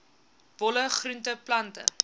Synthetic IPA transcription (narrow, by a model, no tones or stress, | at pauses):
vɔləχruntəplɐntə̰